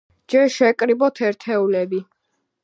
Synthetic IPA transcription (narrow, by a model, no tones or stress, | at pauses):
d͡ʒɛɾʃɛkʼɾibɔt̪ʰɛɾt̪ʰɛulɛbi